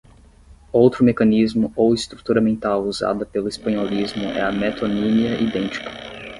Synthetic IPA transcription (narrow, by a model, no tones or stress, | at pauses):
owt̪ɾʊmekɐnizmʊowɪst̪ɾut̪uɾɐmẽnt̪awuza̰d̪ɐpelʊispɐ̃ɲolizmʊʔɛ̰ɐmɛt̪onĩniɐʔid̪ẽnt͡ʃi̥kɐ̥